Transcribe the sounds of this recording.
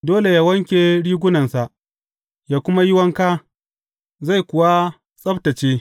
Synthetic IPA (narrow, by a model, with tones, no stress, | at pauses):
doː˦le˨jaː˦wɐ˦ŋkʲe˨ɽiː˦ɡʷʊ˦nɐ˨nsa˨ʔ | jaː˦kʷʊ˦ma˦jɪ˦wɐ˦ŋka˦ | za˦˨jkʷʊ˨wa˦ | sʼɐ˦btɐ˨t͡ʃeː˦